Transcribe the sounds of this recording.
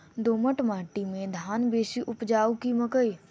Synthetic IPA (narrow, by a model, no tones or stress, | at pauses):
d̪oːməʈmaːʈimẽd̪ʱaːnbeːʃiʔʊpd͡ʒaːukiməkəj